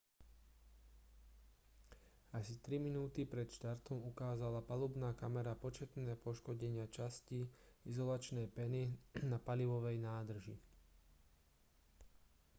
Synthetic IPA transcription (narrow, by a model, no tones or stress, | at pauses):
asit̪ɾiminuːt̪ipɾɛt̪ʃt̪aɾt̪ɔmukaːzalapalubnaːkamɛɾapɔt͡ʃɛt̪nɛːpɔʃkɔɟɛɲɪat͡ʃasciizɔlat͡ʃnɛjpɛninapaliʋɔʋɛjnaːd̪r̩ʒi